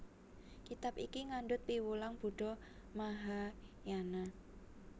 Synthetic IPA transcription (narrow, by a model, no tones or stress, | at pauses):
kit̪apikiŋaɳɖʊt̪̚piwulaŋb̥ṳɖ̥ɔmaɦajana